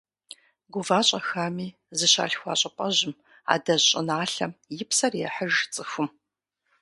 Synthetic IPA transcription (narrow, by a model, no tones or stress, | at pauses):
ɡʷʊvaːɕʼɐxaːmiː | zɨɕa̰ːɬxʷa̰ːɕʼɐpʼɐʑɪm | a̰ːdɐʑɕʼɪnaːɬɐmjɪpsɐrjɛħəʒt͡sʼɨxʷʊm